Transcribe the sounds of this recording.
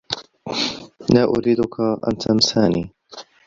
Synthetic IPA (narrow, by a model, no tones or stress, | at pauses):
naːʔʊɾiːd̪ʊkʰaʔa̰nt̪ʰamsaːniː